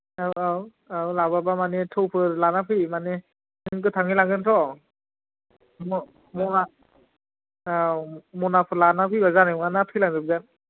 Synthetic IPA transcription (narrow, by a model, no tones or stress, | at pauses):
awaw | awlababamanetʰɯwpʰɯɾlanapʰɯmane | nɯɯŋk̬ɯtʰaŋilaŋɡɯntʰɔ | mɔ | mɔna | amɔnapʰɯlanapʰɯjbazaniŋanapʰilaŋɡɯp̚ɡan